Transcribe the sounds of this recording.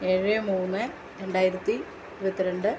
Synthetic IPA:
eɻemuːnːɨ | ɾeɳɖaːjiɾɐt̪ːi | ʋɐt̪ːiɾeɳɖɨ

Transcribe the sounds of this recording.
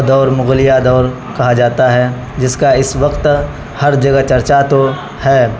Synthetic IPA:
d̪ɔːɾmʊɣlɪjad̪ɔːɾ | kɐɦad͡ʒaːt̪aɦɛ | d͡ʒɪskaɪsʋɐqt̪ | hɐɾd͡ʒɐɡət͡ʃɐɾt͡ʃat̪o | hɛː

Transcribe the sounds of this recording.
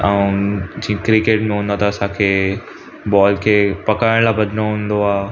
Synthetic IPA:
aːũd͡ʑĩːkɾɪkeːʈmẽɦũːn̆d̪at̪ɐɐsãkʰeː | bɔːlkʰeːpɐkaːɪɽ̃laːbɐd̪ʱnoɦũːnd̪oaː

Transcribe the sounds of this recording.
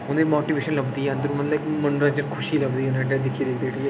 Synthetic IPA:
ʊnemoːʈiːʋeːʃənləbd̪iːɛnd̪əɾmənlɪkmənɾãd͡ʒənkʰʊʃiːləbd̪iːnẽʈed̪ɪkʰːiːd̪eːkʰd̪eːʈiɛ

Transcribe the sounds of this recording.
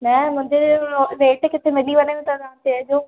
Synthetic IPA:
nɐmʊ̃ːɲd͡ʑeʋeːʈkɪt̪ʰemɪliʋɐneʋɪ̃t̪ad̪ãt̪ed͡ʑoː

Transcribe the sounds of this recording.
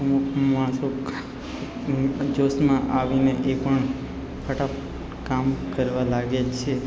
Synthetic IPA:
əmukʰmaso | d͡ʒosmãʔaʋineʔepəɳ | kʰəʈap | kamkəɾʋãlaɡet͡ʃʰe

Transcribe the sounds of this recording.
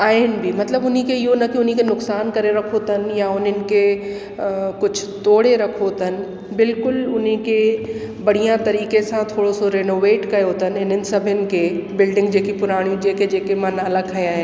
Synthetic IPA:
aːɪnɪ̆bʱimɐt̪ləbʊnikeɪɦonɐkiʊn̤ikenʊksaːnkɐɾeɾɐkʰot̪ʰənjaʊnənɪ̆ke | kʊt͡ʃʰʊ̥t̪oːɽ̤eɾɐkʰot̪ʰən̆ | bɪlkʊlʊnike | bɐɽ̤ijãt̪ɐɾiːkesãt̪ʰoːɽosoɾeːnoːʋeːʈkɐjot̪ʰənɪn̤ənɪ̆sɐbʱənɪ̆kebɪlɖɪ̃ŋɡd͡ʒeːkipʊɾaːɽ̃ijũd͡ʒeːked͡ʒeːkemãnaːlakʰaẽaːɦẽ

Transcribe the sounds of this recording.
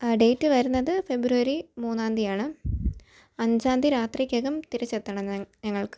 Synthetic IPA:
ɖe̞jːtːɨʋɐɾunːɐðɨfe̞bɾuʋɐɾimuːnːaːnd̪ijaːɳɨ | ɐɲd͡ʑaːnd̪ʱiɾaːt̪rikʲːɐɣɐmt̪iɾɐt͡ɕːet̪ːɐɳɐɲɐŋːɐɭkɨ̥

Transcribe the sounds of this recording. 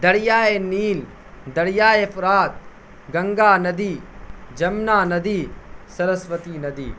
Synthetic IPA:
d̪ɐɽjaːeniːl | d̪ɐɽjaːefɾaːt̪̚ | ɡɐŋɡaːnɐd̪iːd͡ʒɐmnaːnɐd̪iːsɐɾɐsʋɐt̪iːnɐd̪iː

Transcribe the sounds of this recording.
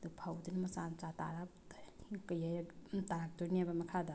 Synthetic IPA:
d̪upʰawd̪inmɐsant͡ʃata̰ɾa | kajajtaɾak̚tuɾniabamɐkʰad̪a

